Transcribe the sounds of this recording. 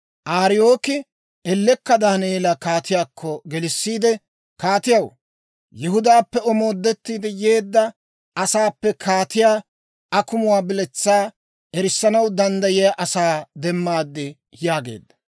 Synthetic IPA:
ʔaːɾɪjoːkɪ | ɛlːɛkːɐd̪ɐneːlɐkaːt̪ɪjaːkʰːɔɡɛlɪsːiːd̪ɛ | kaːt̪ɪjɐw | jɪhʊd̪aːpːɛɔmo̞ːd̪ːɛt̪ːiːd̪ɛje̞ːd̪ːɐ | ʔɐsaːpːɛkʰaːt̪ɪjaː | ɐkʊmʊwaːbɪlɛt͡sːaː | ɛɾɪsːɐnɐwd̪ɐnd̪ɐjɪjaʔɐsaːd̪ɛmːaːd̪ːɪ | jaːɡḛːd̪ːɐ

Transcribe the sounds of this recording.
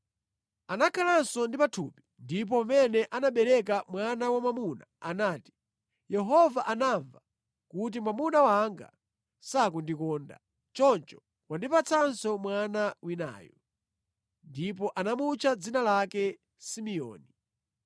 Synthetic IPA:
anakʰalansɔndipatʰupindip̬ɔmɛnɛʔanaɓɛɾɛk̬amwanawamamuna̰anaːti̥ | jɛɦɔvaʔanaɱva | kut̬imwamunawaŋɡa̰ | sakundikɔːnda̰ | t͡ʃɔnt͡ʃɔ̥ | kwandipat͡sʰansɔmwanawina̰ːjɔ | ndip̬ɔʔanamut͡ʃʰad͡zinalakɛ | simiɔ̰ːni

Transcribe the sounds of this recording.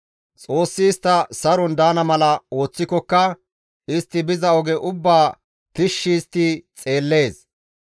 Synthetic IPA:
t͡sʼo̞ːsːɪːst̪ːɐsɐɾɔnd̪aːnɐmɐlɐo̞ːt͡sːɪkɔkːɐ | ɪst̪ːɪbɪzɐɔɡɛʔʊbːaː | t̪ɪʃːiːst̪ːɪt͡sʼe̞ːlːe̞ːs

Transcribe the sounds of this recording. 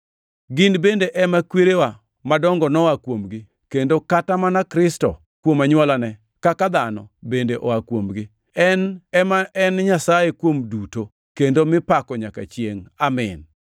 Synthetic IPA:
ɡɪnbendeʔɛmakweɾewa | madɔŋɡɔnɔwakwomɡɪ | kendokatamanakɾɪstɔ̰ | kwomaɲwɔlanɛ | kakad̪anɔ̰bendeʔɔwakwomɡɪ | ɛnɛmaɛnɲasajekwomduto | kendomɪpakɔɲaka̰t͡ʃjeŋamɪ̰n

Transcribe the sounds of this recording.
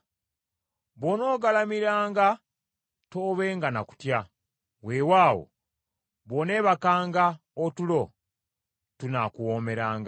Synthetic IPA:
βono̞ːɡalamiɾaːŋɡa | to̞ːβe̞ːŋɡana̰ku̥tja | wewaːwo̰ | βone̞ːβakaːŋɡa | otulo̞ | tunakuwo̞ːme̞ɾaːŋɡa

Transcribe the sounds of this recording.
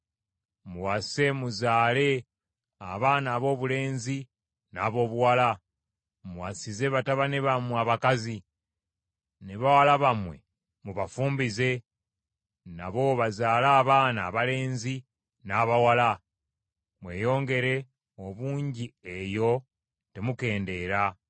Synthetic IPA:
muwase̞muzaːle̞ | aβaːnaːβo̞ːβule̞ːnzi | naβo̞ːβuwala | muwasize̞βataβaneβamuaβakazi | neβawalaβamwe̞̰ | muβafuːmbize̞ | na̰βo̞βazaːlaːβaːna̰ːβale̞ːnzi | naːβawala | mwe̞̰ːjo̞ːŋɡe̞ɾe̞ | oβuːɲɟiejo̞ | te̞muke̞ːnde̞ːɾa

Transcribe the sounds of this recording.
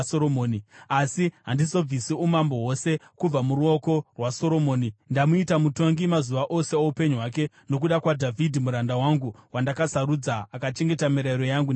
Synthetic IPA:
soɾomoːniasiɦandiso̞b͡visiumambo̞ɦo̞se̞kub͡vamuɾuo̞ko̞rwaso̞ɾo̞mo̞ːnindamuitamuto̞ŋɡimazuʋaʔo̞se̞oupe̞ɲuɦwake̞ | no̞k̬uɗakwadʱavʱidʱimuɾandawaŋɡuwandakasaɾud͡zaːkat͡ʃe̞ŋɡe̞tamiɾaiɾo̞jaŋɡun

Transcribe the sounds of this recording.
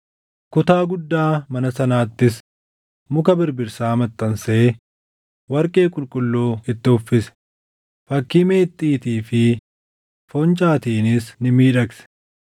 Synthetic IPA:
kʊt̪aːɡʊd̪ːaːmɐnɐsɐnaːt̪ːɪs | mʊkɐbɪɾbɪɾsaːmɐt̪ʼːɐnseː | wɐɾkʼe̞ːkʼʊlkʼʊlːuːɪt̪ːɪhʊfːɪsɛ̥ | fɐkːiːme̞ːt̪ʼːiːt̪iːfɪ | fɔnt͡ʃʼaːt̪iːnɪsnɪmiːᶑɐksɛ̥

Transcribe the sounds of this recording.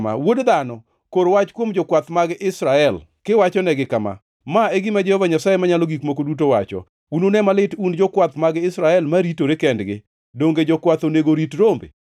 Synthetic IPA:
ma̰wodd̪anɔ | koɾwat͡ʃkwomd͡ʒɔkwat̪maɡʔɪsɾaɛl | kɪwat͡ʃɔnɛɡɪkama̰ | maeɡɪmad͡ʒɛhɔvaɲasajemaɲaloɡikmok̬odut̬owat͡ʃɔ̰ | unonɛmalɪtund͡ʒɔkwat̪maɡɪsɾaɛlmaɾitoɾekɛndɡɪ̰ | doŋɡed͡ʒɔkwat̪oneɡoɾitɾombḛ

